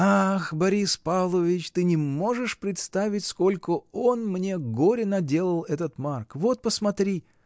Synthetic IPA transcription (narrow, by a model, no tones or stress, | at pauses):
axbɐɾʲispavlˠəvʲɪt͡ɕt̪ɨnʲɪmo̞ʐɨʂpɾʲɪt̪st̪avʲɪtʲsko̞lʲkəo̞nmnʲe̞ɡo̞ɾʲɪnɐdʲe̞lˠəlˠɛt̪ət̪markvo̞t̪̚pəsmɐt̪ɾʲi